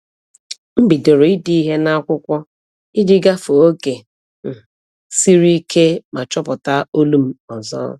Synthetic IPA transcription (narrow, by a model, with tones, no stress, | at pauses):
m̩˦bi˨de˨ɾo˨ɪ˦di˦i˦ɦe˦na˦a˦kʷʊ˦kʷɔ˦ | i˦dɪ˦ɡa˦fo˨o˦ke˨ | m̩˨ | si˦ɾi˦kʰe˦ma˨t͡ʃɔ˦pʊ˨ta˦o˦lu˦m̩˦ɔ˨zɔ̰ː˦